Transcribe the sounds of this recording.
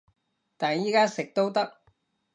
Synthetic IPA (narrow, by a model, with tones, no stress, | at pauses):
t̪aː˨˩njiː˥kaː˥sɪ˨k̚t̪o˥wt̪ɐ˥k̚